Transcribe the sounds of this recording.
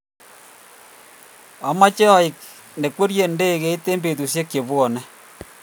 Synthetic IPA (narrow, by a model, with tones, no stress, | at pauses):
a˨ma˦t͡ʃe˦ɔ˦i˨k̚ | ne˨kwe˦ɾje˨nde˦i˨ke˦i˦t̪ːe˦mbe˨tu˨sje˦kːje˨bwɔ˨nɛ˦